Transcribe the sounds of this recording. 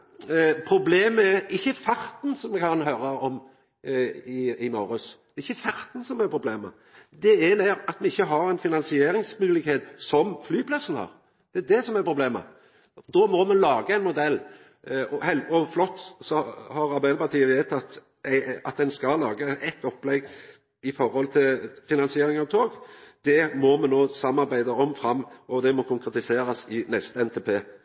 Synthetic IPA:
pʰɾʊbleːməæɾɪçːəfɑɾt̪nsɔmːɛkɑnɦøːɾəɔm | ɪɪmɑːɾʉsd̪̥ɛɾɪçːəfɑɾt̪n̩sɔmɛpʰɾʊbleːmə̰ | d̪ɛɛnæɾɑt̪mɛɪçːəɦɑɾæɪnfɪnɑnsɪeːɾɪŋsmʉːlɪkheːt̪sɔmflyːpʰlɑsːənhɑ̰ːʁ | d̪̥ɛæd̪ɛsɔmɛɾpʰɾʊbleːmə̰ | d̪ɔmɔmɛnlɑːɡəɛɪnmʊd̪ɛlː | ɔhɛlɔflɔt̪ːsɔhɑɾɑbɛːlpɑɾt̪ʰiːəʋeːt̪ɑt̪ | æɪɑ̰t̪̚d̪ɛnskɑlɑːɡəʔɛt̪ːɔpːlɛɡ | ɪfɔɾhɔlt̪ʰɪlfɪnɑnsɪeːɾɪŋɑʋt̪ʰoːɡd̪̥ɛmɔmɛnːoːsɑmːɑɾbæɪd̪əɔmfɾɑmːʔɔd̪ɛmɔkʰʊŋkɾɛt̪ɪseːɾɑsɪnɛst̪əɛnt̪ʰeːpʰeː

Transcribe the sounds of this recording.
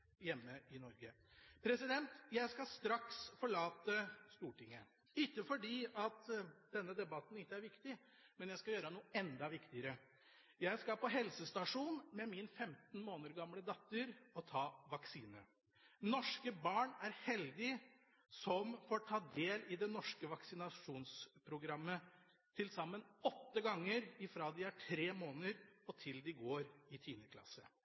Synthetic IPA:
jɛmːəɪnɔɾɡə | pʰɾɛsɪd̪ɛnt̪jæɪskɑst̪ɾɑksfɔɭɑːt̪əst̪uːʈɪŋːə | ɪkːəfɔɖiːʔɑt̪d̪̥ɛnːəd̪ɛbɑt̪n̩ɪt̪ːəæɾʋɪkt̪ɪ | mɛnjæɪskɑjøːɾənuːɛnd̪ɑʋɪkt̪ɪəɾə | jæɪskɑpɔɦɛlsəst̪ɑʂuːnmɛmɪnfɛmt̪n̩moːnəɾɡɑmləd̪ɑt̪ːəɾɔt̪ʰɑːʋɑksiːnə | nɔʂkəbɑːɳæɾhɛld̪ɪ | sɔmfɔʈʰɑːd̪eːlɪd̪ɛnɔʂkəʋɑksɪnɑʂuːnspʰɾʊɡɾɑmːə | t̪ʰɪlsɑmːənɔt̪ːəɡɑŋːəɾɪfɾɑːd̪ɪæʈʰɾeːmoːnəɾɔt̪ʰɪld̪ɪɡoːɾɪt̪ʰiːnəkʰlɑ̰sə

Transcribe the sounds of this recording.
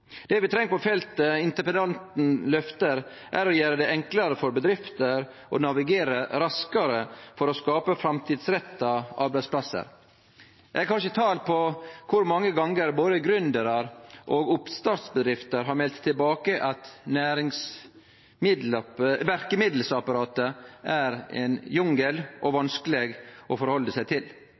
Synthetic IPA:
d̪̥ɛʋɪt̪ʰɾɛŋːəpɔfɛlt̪əɪnt̪əpənɑnt̪n̩lœft̪əɾ | ʔæɾɔjæːɾəd̪ɛɛŋklɑɾəfɔɾbəd̪ɾɪft̪əɾ | ʔɔ̰nɑʋɪɡeːɾəɾɑskəɾəfɔɾɔskɑːpəfɾɑmt̪ʰiːd̪sɾɛt̪ːɑʔɑ̰ːɾbæɪspʰlɑsə̰ɾ | ɛkʰɑnʃət̪ʰɑːlpʰɔkʰʊɾmɑŋːəɡɑŋːəɾboːd̪əɡɾʉnd̪əɾɑɾʔoːɡʊpst̪ɑːt̪sbəd̪ɾɪft̪əɾɦɑɾmɛlt̪ʰːɪlbɑːkəʔɑt̪næːɾɪŋs | mɪd̪lɑʋæɾkəmɪd̪l̩sɑpɑɾɑːt̪əʔæɾɛ̰njʊŋɡəlʔɔʋɑnskəleːɡʔɔfɔɾhɔlːəsæɪt̪ʰɪl

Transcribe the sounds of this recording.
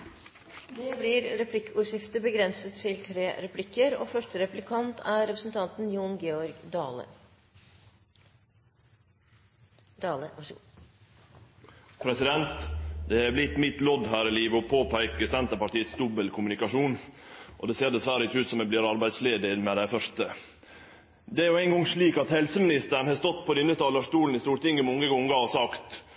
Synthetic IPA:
d̪eblɪːɾɾɛpʰlɪkːuːɾʂɪft̪əbəɡɾɛnsət̪ʰɪlt̪ʰɾeːɾɛpʰlɪkːəɾo̰ːfœʂʈəɾɛplɪkʰɑnt̪ʰæɾɛpɾəsnt̪ʰɑnt̪n̩juːnɡeːɔɾɡd̪ɑːlə̰ | d̪ɑːləʋɑʂ | pʰɾɛsɪd̪ɛnt̪d̪ɛæblɪt̪mɪt̪lɔd̪ɦæːɾɪliːʋəɔpʰoːpʰæɪkəsɛnt̪əpɑʈiːət̪sd̪ʊbəlkʰʊmʉnɪkɑʂuːn | ʔɔ̰d̪ɛseːɖ̪ɛsʋæːɾəɪçʉːt̪sɔmɛb̪liːɾɑɾbæɪd̪sleːd̪əɾmɛd̪æɪfœʂtə | d̪ɛæɾjʊæɪnɡɔŋʂɭiːkɑt̪hɛlsəmɪnɪst̪əɳ̩hɑːst̪ɔt̪ːpʰɔd̪ʉnət̪ʰɑːləʂt̪uːln̩ɪst̪uːɾʈ̪ɪŋɡəmɔŋəɡɔŋɡɑɔsɑkt̪

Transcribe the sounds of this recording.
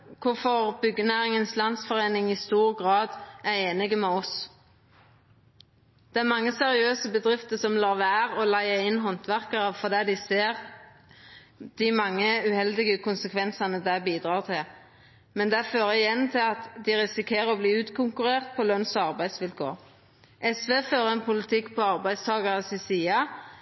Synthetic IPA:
kʰʊfɔʁbʏɡːənæːɾɪŋənslɑnsfɔʁeːnɪŋɪst̪uːʁɡʁɑːd̪æʁeːnɪɡəmɛɔs | d̪̥ɛæɾmɑŋːəsɛʁɪøːsəbəd̪ʁɪft̪əsɔmlɑɾʋæːʁɔlæɪəɪnːɦɔnt̪ʰʋæʁkəʁɑʋfɔʁd̪ɛːd̪ɪseːʁ | d̪̥ɪmɑŋːəʉhɛld̪ɪɡəkʊnsəkʰʋɛnsɑnəd̪æbiːd̪ʁɑːʁt̪ʰɪ | mɛnd̪æføːʁəɪjɛnːt̪ʰɪlɑt̪d̪ɪʁɪsɪkʰeːʁəɔbliːʉːt̪kʰʊŋkʉɾeːʁt̪̚pʰɔlœnsɑʁbæɪd̪sʋɪlkʰo̰ːʁ | ʔɛsʋeːføːʁəɛnpʰʊlɪt̪ʰɪkːpʰɔɑʁbæɪd̪st̪ʰɑːɡɑʁəsɪsiːɑ

